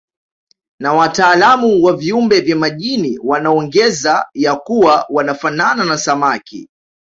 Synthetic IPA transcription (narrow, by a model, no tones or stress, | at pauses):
nawataːlamuwaviumbɛvjamaʄiniwanaɔŋɡɛzajakuwawanafanananasamakḭ